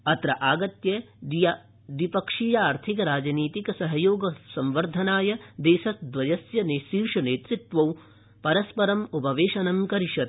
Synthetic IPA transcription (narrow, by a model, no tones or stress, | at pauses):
ɐt̪ɾɐʔaːɡɐt̪jɐ | j | d̪ipɐkʂiːjɐaːɾt̪ʰikɐɾaːd͡ʒɐniːt̪ikɐsɐɦɐjoːɡɐsɐmʋɐɾd̪ʱɐnaːjɐd̪eːʃɐsd̪ʋɐjɐsjɐneʃiːɾʂɐneːt̪ɾit̪ʋɐw | pɐɾɐspɐɾɐmupɐʋeːʃɐnɐmkɐɾiʃɐt̪